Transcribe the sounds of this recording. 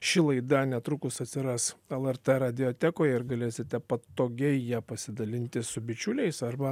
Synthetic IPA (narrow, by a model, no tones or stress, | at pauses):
ʃʲɪlˠɐɪd̪ɐnʲɛt̪ɾʊkʊsɐt̪ʲsʲɪɾɐsɛlˠɛɾt̪ɛɾɐd̪ʲɪot̪ʲækoːjɛɪɾɡɐlʲeːsʲɪt̪ʲɛpɐt̪oːɡʲɛɪjæːpɐsʲɪd̪ɐlʲɪnʲt̪ʲɪsʊbʲɪt͡ʃʲʊlʲɛɪsɐɾbɐ